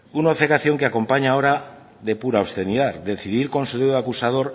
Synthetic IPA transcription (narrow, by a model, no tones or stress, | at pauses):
unoafekaθjo̞ŋkeako̞mpaɲaoɾa | ðe̞puɾaost̪eniðaðd̪e̞θiðiɾko̞nsuðeðoakusað̞o̞ɾ